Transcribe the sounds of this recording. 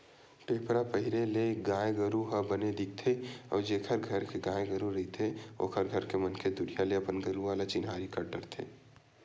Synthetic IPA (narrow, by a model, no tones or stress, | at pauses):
peːpɾapəɦɪɾeleɡãːjeɡɐɾuɦɐbəned̪ɪk̚t̪ʰeɔ̰ːɾd͡ʒeːkʰəɾɡʱɐɾkeɡãːjeɡəɾuɾɐɦit̪ʰeo̰ːkʰəɾɡʱəɾkemɐnkʰed̪ʊɾijaleɐpənɡəɾuʋaːlat͡ʃɪnɦaːɾikɐɾɖɐɾt̪ʰḛː